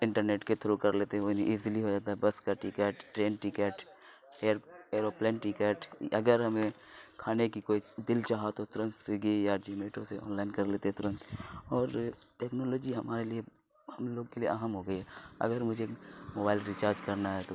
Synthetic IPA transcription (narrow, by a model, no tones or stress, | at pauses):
ɪ̃ɳʈəɾneːʈket̪ʰoɾokɐɾleːt̪eɦɛoniʔɪzliɦod͡ʒaːt̪aɦɛbɐskaʈɪkɛːʈʈɾeːnʈɪkɛːʈ | eːɾeːɾoːpleːnʈɪkɛːʈɐ̰ɡəɾɦɐmẽkʰaːnekikoːid̪ɪlt͡ʃaːɦat̪ot̪ʊɾə̃nt̪sɪɡijad͡ʒimeːʈõseɔ̰ːnlaːɪnkɐɾleːt̪eɦɛ̃t̪ʊɾə̃nt̪ɔːɾ | ʈeːknoːloːd͡ʒiɦɐmaːɾelie | hɐmloːɡkeliḛɐɦəmɦoɡəiɦɛɐ̰ɡəɾmʊd͡ʒʱemoːbaːɪlɾit͡ʃaːɾd͡ʒkɐɾnaɦɛt̪oː